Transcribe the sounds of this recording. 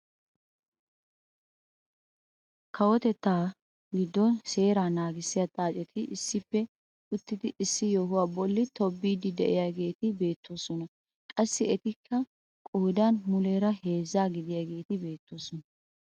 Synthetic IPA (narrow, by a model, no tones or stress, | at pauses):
kʰɐwɔt̪ɛt̪ːaː | ɡɪd̪ːɔnse̞ːɾaːnaːɡɪsːɪjat͡sʼaːt͡ʃʼɛt̪ʰɪʔɪsːɪpːɛ | ʊt̪ːɪd̪ɪʔɪsːɪjoːɦʊwaːbɔlːɪt̪ʰɔbːiːd̪ɪd̪ɛʔɪjaɡe̞ːt̪ɪbe̞ːt̪ʰːo̞ːsɔnɐ | kʼɐsːɪɛt̪ɪkʰːɐ | kʼoːd̪anmʊleːɾɐhe̞ːzːaːɡɪd̪ɪjaːɡe̞ːt̪ɪbe̞ːt̪ːo̞ːsɔnɐ